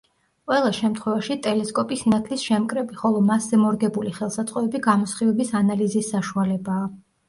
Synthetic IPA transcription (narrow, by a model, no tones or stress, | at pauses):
qʼwɛlˠaʃɛmt̪ʰχwɛvaʃit̪ʼɛlɛskʼɔpʼisinat̪ʰlisʃɛmkʼɾɛbiχɔlˠɔmaszɛmɔɾɡɛbuliχɛlˠsat̪sʼqʼɔɛbiɡamɔsχivɛbisanalizisːaʃualɛbaː